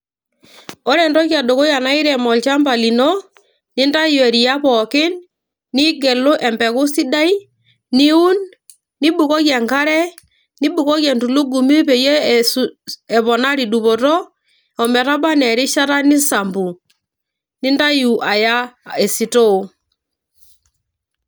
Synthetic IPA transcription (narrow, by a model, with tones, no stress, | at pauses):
ɔ˦ɾɛ˨ndɔ˦ɣja˨do˨ɣo˦ja˨na˦i˦ɾɛ˨mɔ˨lt͡ʃa˦mba˨li˨nɔ˦ | ni˦nda˦ju˨ɛ˨ɾi˨ja˦βɔ˨ke˦nː | i˦ɡɛ˨lo˦ʔɛ˨mbɛ˨ɣo˦si˦da˦i˦ | ni˦u˦n | nːi˦bu˨kɔ˦ɣja˨ŋka˦ɾɛ˦ | ni˦bu˨kɔ˦ɣjɛ˨ntu˨lo˦ɡu˨me˦βe˨jɛ˦ | ɛ˨βɔ˨na˦ɾi˨du˨βo˨tɔ˦ | ɔ˨mɛ˨ɾa˦ba˦nɛ˨ɾɪ˦ʃa˦ɾa˦ni˦sa˨mbu˨ | nɪ˦nda˦ju˨ʔa˨ja˦ɛ˨si˨to˦o˨